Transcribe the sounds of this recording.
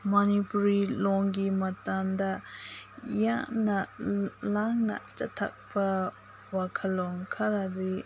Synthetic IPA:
mɔnipuɾilɔŋɡimatamda | jaʔnalaŋna̰t͡ʃa̰tʰːa̰k̚pɐ | wakʰalɔŋkʰaɾadi

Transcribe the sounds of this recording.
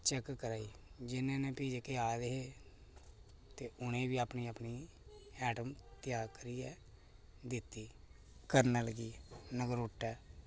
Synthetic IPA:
t͡ʃɛkkəɾaːiːd͡ʒɪnẽːneːpiːd͡ʒeːkeːaːd̪eɦeː | t̪eːʊnẽːʋiːaːpniːəpniː | ɛːʈəmt̪ɪjaːkəɾiːɛː | d̪ɪt̪ːiː | kəɾnaːləɡiːnəɡəɾʊʈːɛː

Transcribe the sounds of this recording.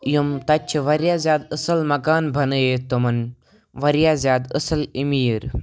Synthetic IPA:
ijomt̪ɐt͡ʃʰʋɐɾjaːzʲjaːd̪əsɐlmɐɡaːnbʱɐnɨeːt̪umɐn | ʋɐɾijaːzjaːd̪əsɐlimiːɾ

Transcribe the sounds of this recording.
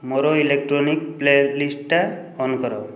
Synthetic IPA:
mɔɾoilekʈɾonik̚plelisʈa | ɔnkɔɾɔ̰

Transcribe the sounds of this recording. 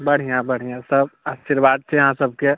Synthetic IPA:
bɐɽ̤ijãbɐɽ̤ijãsɐbaːʃiɾʋaːd̪̚t͡ʃʰejɦãsɐb̚ke

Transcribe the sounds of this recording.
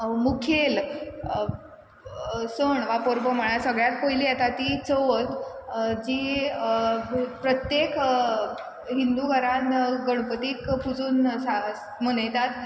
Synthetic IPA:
mukʰel | səɳʋapoɾbəmaɽ̃asəɡɭjat̪̚pəjliɛt̪at̪it͡səʋət̪d͡ʑiː | pɾət̪jek | ɦind̪uɡʱəɾanɡəɽ̃pət̪iːkpʰud͡zuːnsa | mənəjt̪at̪

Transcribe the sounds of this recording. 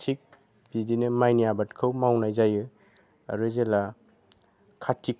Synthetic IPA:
sʰik̚ | bidinɯmajnijabatkʰɯwmawnajzajɯ | ɾɯzela | kʰatʰːik̚

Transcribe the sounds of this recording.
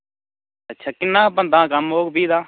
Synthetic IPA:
ətːʃʰaːkɪnːãːbə̃nd̪ãːkəmɦoːkbiːd̪aː

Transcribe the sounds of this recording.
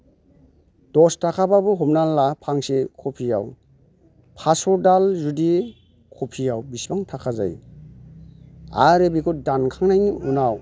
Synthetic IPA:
d̥ɔstakʰababuɦumnalːapʰaŋsekʰɔpʰija̰w | pʰasɔdalzudi | kʰopʰijawbisbaŋtʰakʰaza̰j | a̰ɾebikudankʰaŋnajniunaw

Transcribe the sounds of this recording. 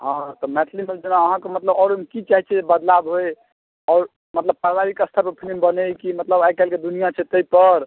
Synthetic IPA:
ɦãt̪ɔmɛt̪ʰlimeld͡ʒənaəɦãkemət̪ləbɔɾmkit͡ʃaɦit͡ʃʰɛebəd̪labɦoj | ɔːɾ | mət̪ləb̚pɾabaɾikəst̪ʰəɾpəɾpʰilimbənekimət̪ləbajkɛlked̪unijat͡ʃʰɛt̪əjpəɾ

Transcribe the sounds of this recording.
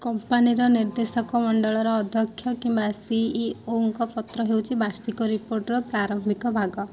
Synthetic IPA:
kɔmpaniɾɔniɾd̪esɔkɔmɔɳɖɔɭɔɾɔːd̪ʱjɔkʰːjɔkimbasiioŋkɔpɔt̪ɾɔɦewt͡ʃʰibaɾsikɔɾipoɾʈɾɔpɾaɾɔmbʱikɔbʱaɡɔ

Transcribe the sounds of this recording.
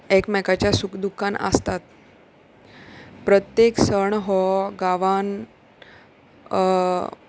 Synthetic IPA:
ekmɛkat͡ɕjasukd̪ukʰːanə̰st̪at̪̚ | pɾət̪jeksəɳɦɔɡaʋan

